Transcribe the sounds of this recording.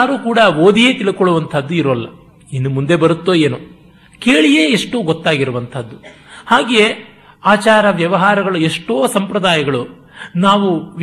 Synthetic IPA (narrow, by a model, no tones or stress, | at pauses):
ɾuːkuːɽɐoːd̪ije̞ːt̪iɭukoɭuʋɐnt̪ʰɐd̪ːuiɾolːɐ | inːumund̪e̞bɐɾut̪ːoje̞ːnu | ke̞ːɭijeːeʂʈuːɡɔt̪ːaːɡiɾuʋɐnt̪ʰɐd̪ːuhaːɡeje | aːt͡ʃaːɾɐʋjɐʋɐɦaːɾɐɡɐɭueʂʈoːsɐmpɾɐd̪aːjɐɡɐɭu | naːʋuʋ